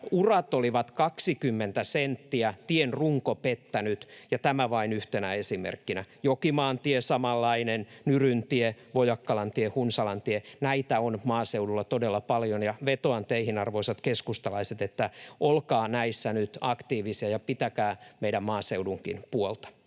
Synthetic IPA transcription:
urɑt̪oliʋɑt̪kɑksikymːent̪æsent̪ːiæt̪ienruŋkopet̪ːænyt̪jɑt̪æmæʋɑinyht̪enæesimḛrkːinæjokimɑːnt̪iesɑmɑlːɑinennyrynt̪ieʋojɑkːɑlɑnt̪iehunsɑlɑnt̪ienæit̪æonmɑːseudulːɑt̪odelːɑpɑljonjɑʋet̪oɑnt̪eihinɑrʋoisɑt̪keskust̪ɑlɑiset̪et̪ːæʔolkɑːnæisːænyt̪ɑkt̪iːʋisiɑjɑpit̪ækæːmeidæmmɑːseuduŋkḭnpuolt̪ɑ̥

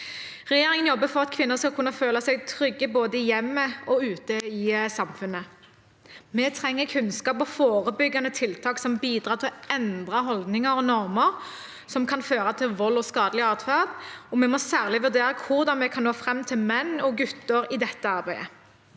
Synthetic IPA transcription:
ʁɛjeːɾɪŋənjɔbːəfɔʁɑt̪kʰʋɪnːəskɑlkʰʉnːɑføːlɑsɛɡt̪ʰɾʏɡːəboːd̪əɪjɛmːəɔʉːt̪əɪsɑmfʉnːə | mɛt̪ʰʁɛŋːəkʰʉnskɑːpɔfoːʁəbʏɡːɑnət̪ʰɪlt̪ʰɑːksɔmbiːd̪ʁɑːʁt̪ʰɪlɔɛnd̪ʁɑɦɔld̪nɪŋəɾɔnɔʁməʁ | sɔmkʰɑnføːʁɑt̪ʰɪlʋɔlːɔskɑːd̪əlɪɑːʁt̪fæʁd̪ɔmɛmɔsæːʁlɪʋʉʁd̪eːʁɑkʰʊʁd̪ɑnmɛkʰɑnnoːfɾɛmːt̪ʰɪlmɛnːɔɡʉt̪ːəɾɪd̪ɛt̪ːəɑʁbæɪə

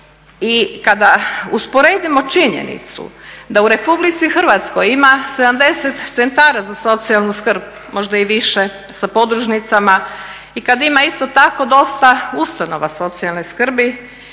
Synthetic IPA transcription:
ikad̪auspo̞ɾeːd̪imo̞t͡ʃiɲḛnḭt̪sṵd̪auɾe̞publit̪sixr̩ʋat̪skojimase̞d̪amd̪e̞set̪t̪sent̪aːɾazaso̞t̪sialˠnuskr̩b | mo̞ʒd̪aiʋiʃe | sapo̞d̪ɾuʒnit̪sama | ikad̪imaist̪o̞t̪ako̞d̪o̞st̪aust̪ano̞ʋaso̞t̪sialneskr̩bi

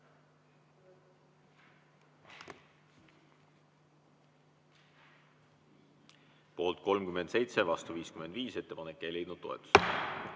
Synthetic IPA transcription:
po̞ːlt̪̚ko̞lmkyme̞nd̪se̞jt̪se̞vɑst̪uviːskyme̞nd̪̥viːse̞t̪ːe̞pɑnekːelid̪nud̪̥̚t̪ːo̞e̞̰t̪ːˑu̥s

